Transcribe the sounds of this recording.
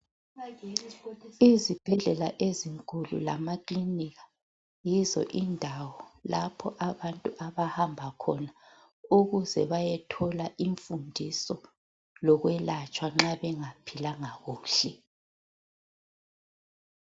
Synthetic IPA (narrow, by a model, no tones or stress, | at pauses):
izib̥ʱɛɮɛlaʔeziŋkʼulṵla̰makʼliniɣḁ | jizɔ̰ʔindʱawɔlapʰɔʔaβantʼuʔaβahambʱakʰɔna | uɣuzɛβajɛtʰɔlaʔiɱfundʱisɔ | lɔɣwɛlat͡ʃʼwaŋ͡ǁaβɛŋapʰilaŋaɣuːɬɛ